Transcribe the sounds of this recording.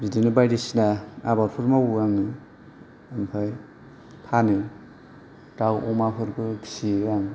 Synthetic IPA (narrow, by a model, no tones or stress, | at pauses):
zidinɯbajdisinaabaɾpʰɯɾmawuaŋɯ | ampʰaj | pʰani | dawɔmakʰɯɾbɯkʰi̥siaŋ